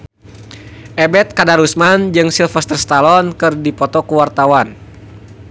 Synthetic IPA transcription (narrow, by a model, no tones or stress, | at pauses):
ʔɛbɛt̪̚kadaɾusmand͡ʒɨŋsilfɛst̪ərst̪alɔnkɨrdipɔt̪ɔkuwart̪awan